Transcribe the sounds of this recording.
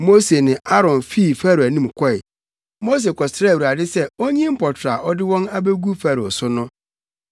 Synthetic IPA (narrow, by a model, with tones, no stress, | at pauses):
mo˦se˨nɪ̃˨a˦ɾɔ̃˨nfiː˦˨fæ˦ɾæ˨nĩ˦˨mkʷʰɔ˦ɪ˨ | mo˦s̬e˨kʰɔ˨sɪ˨ɾwu˨ɾa˨dɪ˦sɛ˦o˦ɲĩ˦m̩˦pʰɔ˨tʰɾa˨ʔɔ˦dɪ˦wɔ̃˦ŋa˦be˦ɡu˦fa˦ɾɔ˨sʊ˦nʊ̃˦